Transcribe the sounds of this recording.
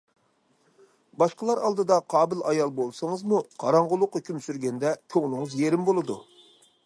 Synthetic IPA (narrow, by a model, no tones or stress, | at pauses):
bɑʃqəlˠɑɾɑlˠd̪ɨd̪ɑqʰɑːbɪlɑjɑlˠbolˠsəŋɨzmuqʰɑ̰ɾɑɴʁʊlˠʊqːɑkʲʰymsyɾɡʲɛnd̪ɛkʲʰøŋnʊŋɨzjeɾɪmbolˠɨd̪u